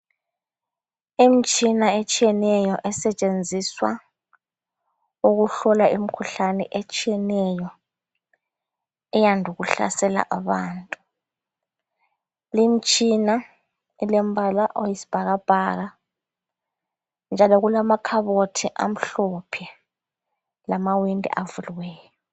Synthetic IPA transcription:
imit͡ʃʼinaet͡ʃʼijɛnɛjɔʔɛsɛt͡ʃʼend͡zʱiswa | uɣuɬɔlaʔim̩kʰuɬanɛ̰ʔet͡ʃʼijɛnɛjɔ | ɛjandʱuɣuɬa̰sɛla̰ʔaβaːntʼu | lim̩t͡ʃʼina | ilɛmbʱalaʔojisi̥b̥ʱaɣab̥ʱaːɣa | nd͡ʒʱalɔɣulamakʰaβotʰiʔa̰m̩ɬɔpʰɛ | lamawindʱɛ̰ʔavuliwɛːjɔ

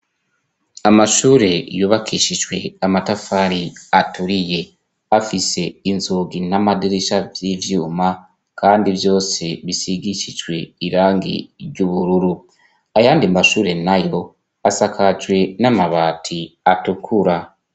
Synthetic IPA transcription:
amaʃuːɾe̞juːβakiʃid͡ʒwe̞̰amatafaɾiatuɾije̞ | afise̞inzuːɡinamadiɾiʃavjivjuːma | kaːndivjo̞ːse̞βisiɡicid͡ʒwe̞iɾaːŋɡḭɾjɟuβuɾuɾu | ajaːndimaʃuːɾe̞najo̞ | asakʰad͡ʒwe̞namaβaːtʰiatukʰuɾa

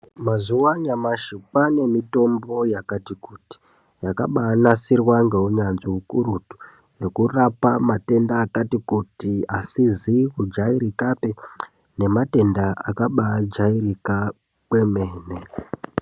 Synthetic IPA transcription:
mazuwaɲamaʃipane̞mito̞mbo̞jakatikuti̥ | jaka̰ɓanasirwaŋɡe̞uɲanziukuɾutu̥ | je̞kurapamate̞ndaːkatikutiasizikud͡ʒaiɾikape | ne̞mate̞ndaʔa̰kaɓad͡ʒairika | kwemeːne

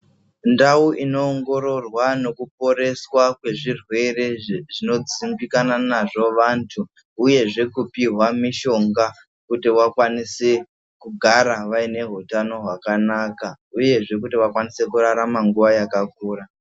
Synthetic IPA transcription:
ndauʔino̞ːŋɡo̞ɾo̞rwano̞kup̚o̞ɾe̞swakwe̞ʐirwe̞re̞ʐino̞d͡zimbikananaʐo̞ʋantʰuː | je̞ʐe̞kupiɦwamiʃo̞ŋɡa | kutiʋakwanise | kuɡʱaɾaʋaine̞ɦutano̞ɦwakanaːka | uje̞ʐe̞kutiʋakwanise̞kuraɾamaŋɡuʋajakak̚uːra

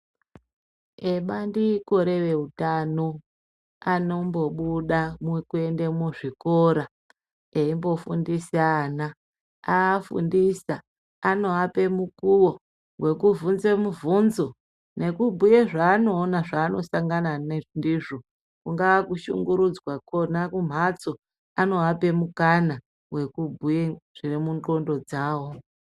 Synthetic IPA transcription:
eɓandiko̞ɾe̞ʋe̞utano̞ | ano̞mbo̞ɓuɗamekue̞nde̞muʐikoɾa | eimbo̞fundiseaːna | aːfṵndisa | ano̞ape̞mukuwo̞ | we̞kuvunzemuvunzo̞ | ne̞kubʱujeʐaːno̞ːnaʐaːno̞saŋɡananendiʐo̞ | kuŋɡaakuʃṵŋɡuɾud͡zwakonakum̤at͡so | ano̞ape̞mukana | we̞kubʱujeʐ̥irimundo̞ndo̞d͡zaːwo̞

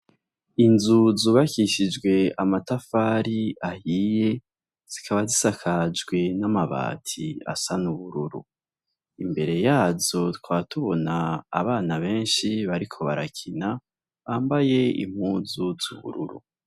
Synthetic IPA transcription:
inzuzuβakiʃid͡ʒɡwe̞amatafaɾiahije̞ | z̥ikʰaβazisakʰad͡ʒɡwe̞namaβa̰ːtʰia̰sanuβuɾuɾṵ | imbe̞ɾe̞jaːzo̞twaːtuβo̞na̰ːβaːnaβe̞ːnʃiβaɾikʰo̞βaɾakʰina | βaːmbaje̞ḭm̥huːzuz̥uβṵɾuɾṵ

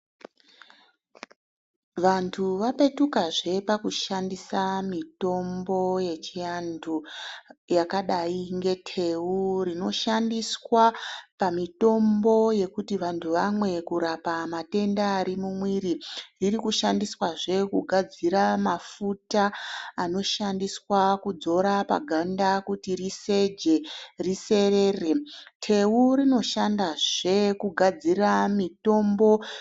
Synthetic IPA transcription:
ʋantʰuʋape̞tukaʐe̞pakuʃandisamito̞mbo̞je̞t͡ʃijandu | jakaɗaiŋɡe̞tʰe̞urino̞ʃandiswapamito̞mbo̞je̞kutiʋantʰuʋamwe̞kuɾapamate̞ndaːɾimumwiɾiririkuʃandiswaʐe̞kuɡʱad͡ziɾamafutaːno̞ʃandiswakud͡zo̞ɾapa̰ɡʱandakutirise̞d͡ʒe̞rise̞re̞ːretʰe̞uɾino̞ʃandaʐe̞kuɡʱad͡ziramito̞mbo̞

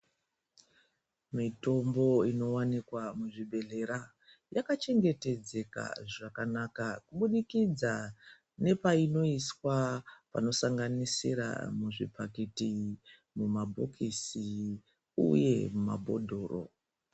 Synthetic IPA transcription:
mito̞mbo̞ino̞wanikwamuʐibʱe̞ɮe̞ɾa | jakat͡ʃe̞ŋɡe̞te̞d͡ze̞ka̰ʐakanakakuɓuɗikid͡za | ne̞paino̞iswapa̰no̞saŋɡanisḭɾa̰muʐḭpʰaketi | mumabʱo̰kʰisi | ṵje̞muma̰bʱo̞̰dʱo̞ːro̞̰

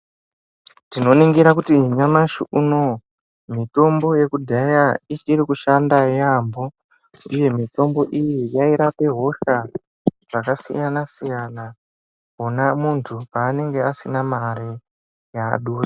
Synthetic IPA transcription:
tino̞niŋɡiɾakutiɲamaʃiʔuno̞ | mito̞mbo̞je̞kudʱajait͡ʃiɾikuʃandajambo̞ | uje̞mito̞mbo̞ʔijijaiɾape̞ɦo̞ʃa | d͡zakasḭjanasijana | onamuntʰupaːne̞ŋɡe̞asinamaɾi | jaɗura

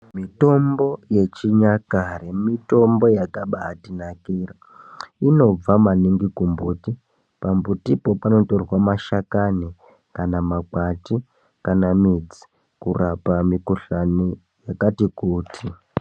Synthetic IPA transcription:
mito̞mbo̞je̞t͡ʃiɲakaɾemito̞mbo̞jakaɓaːtinakiːra | ino̞b͡vamaniŋɡikumbuti | pambutipo̞pano̞to̞rwamaʃakani | kanamaɡ͡bati | kanamid͡zi̥ | kurapamikuɬani | jakatikuːtʰi

